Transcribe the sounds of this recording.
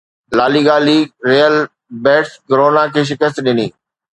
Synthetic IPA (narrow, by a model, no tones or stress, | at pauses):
laːliɡaːliɾeːjəl | bɛːʈskəɾoːnakʰeːʃ̬ɪkəs̬t̪ɗɪniː